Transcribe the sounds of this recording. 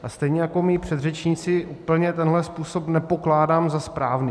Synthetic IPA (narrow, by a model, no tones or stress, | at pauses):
ʔast̪ɛjɲɛjako̞miːpr̝̥ɛd̪rɛt͡ʃɲiːt͡sɪʔuːpl̩ɲɛt̪ɛnɦlɛspuːso̞pnɛpo̞klaːdaːmzaspɾaːvniː